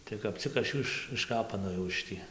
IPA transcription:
tɐɪ kɐp ˈt͡sʲɪk ɐʃ ˈjuː ɪʃ ɪʃˈkɑːpɐnoːjɛʊ ɪʃ ˈtʲiː

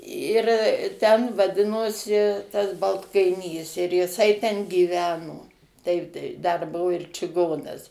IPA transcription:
ɪr tʲɛn ʋɐˈdʲɪnoːsʲɪ tɐs bɐlˠtkɐɪˈnʲiːs ɪr jɪˈsɐɪ tʲɛn ɡʲiːˈʋʲæːnoː ˈtɐɪp tɐɪ dɐr ˈbʊʋoː ɪr t͡ʃʲɪˈɡoːnɐs

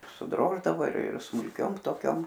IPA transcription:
sʊˈdroːʒdɐʋoː ɪr ɪr smʊlʲˈkʲoːm toːˈkʲoːm

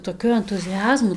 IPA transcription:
toːˈkʲʊ ɛntʊzʲɪˈɑːzmʊ

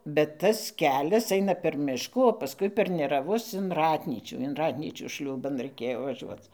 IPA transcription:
bʲɛt ˈtɐs ˈkʲæːlʲɛs ˈɐɪnɐ pʲɛr ˈmʲɪʃkuː oː pɐˈskʊɪ pʲɛr nʲɛrɐˈʋʊs ɪn ˈrɑːtʲnʲiːt͡ʃʲuː ɪn ˈrɑːtʲnʲiːt͡ʃʲuː ˈʃʲlʲuːbɐn rɐɪˈkʲeːjoː ʋɐˈʒʲuɔt͡s

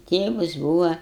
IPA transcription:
ˈtʲeːʋɐs ˈbuːʋɐ

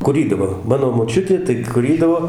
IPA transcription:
kʊˈrʲiːdɐʋoː ˈmɑːnoː moːˈt͡ʃʲʊtʲeː tɐɪ kʊˈrʲiːdɐʋoː

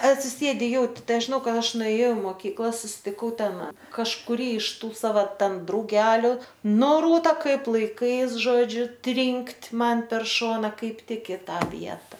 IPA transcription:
ɐtʲsʲɪˈsʲeːdʲɪ ˈjɛʊtʲɪ ˈtɐɪ ˈɐʃ ʒʲɪˈnɐʊ ˈkɐt ˈɐʃ nʊeːˈjɛʊ ɪ moːˈkʲiːklˠɐ sʊsʲɪtʲɪˈkɐʊ ˈtʲɛn kɐʃkʊˈrʲiː ɪʃ ˈtuː ˈsɑːʋɐ ˈtʲɛn drɐʊˈɡʲæːlʲʊ ˈnʊ ˈruːtɐ ˈkɐɪp lˠɐɪˈkɐɪs ˈʒoːd͡ʒʲʊ ˈtʲrʲɪŋktʲ ˈmɐn pʲɛr ˈʃoːnɐ ˈkɐɪp ˈtʲɪk ɪ ˈtɑː ˈʋʲiɛtɐ

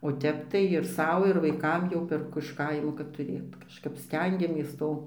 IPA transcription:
oː ˈtʲɛp tɐɪ ɪr ˈsɐʊ ɪr ˈʋɐɪkɐm jɛʊ pʲɛrˈkʊ ɪʃ ˈkɐɪmoː kɐt tʊˈrʲeːt kɐʃˈkɐp ˈsʲtʲɛŋʲɡʲɛmʲeːs ˈtoː

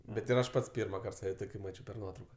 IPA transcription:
bʲɛt ɪr ˈɐʃ ˈpɐts ˈpʲiːrmɐˌkɐrt ˈsɑːʋʲɛ ˈtoːkʲɪ ˈmɑːt͡ʃʲɛʊ pʲɛr ˈnuɔtrɐʊkɐ

